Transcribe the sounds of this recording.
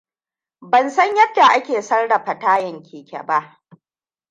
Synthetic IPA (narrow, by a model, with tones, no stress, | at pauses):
bɐ˨nsɐ˦ɲjɐ˦dːa˨ʔa˦kʲeː˨sɐ˦rɽa˨ɸɐ˨taː˦jɐ˨ŋkʲʰeː˨kʲɛ̰˨ba˦ʔ